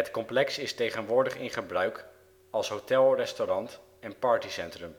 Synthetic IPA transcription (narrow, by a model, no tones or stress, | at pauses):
ɦətkɔmplɛksɪstejχənʋʊːɹdəχɪnχəbrœɥk | ɑlˠsɦowtɛlˠrɛstoɾɑnt | ɛnpɑːɹtisɛntrəm